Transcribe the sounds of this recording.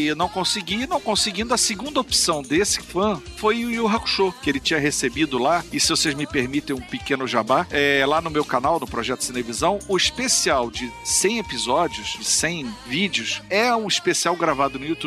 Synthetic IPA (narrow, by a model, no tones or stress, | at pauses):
nɐ̃w̃kõsɪɡinɐ̃w̃kõsɪɡĩnd̪ʊɐsɪɡũnd̪ɐopsɐ̃w̃d̪esɪ̥fɐ̃fojʊiuwɦaku̥ʃokɪelɪt͡ʃĩɲɐɦesebid̪ʊlaɪsɪvosejzmɪpeɾmit̪ẽj̃ũpɪkẽnʊʒabaɛlanʊmewkanawnʊpɾɔʒɛt̪ʊ̥sinevizɐ̃w̃ʊiʃpesiawd͡ʒɪsẽj̃epizɔd͡ʒiʊʃd͡ʒɪsẽj̃vid͡ʒiʊʃɛũiʃpesiawɡɾavad̪ʊnʊjut̪u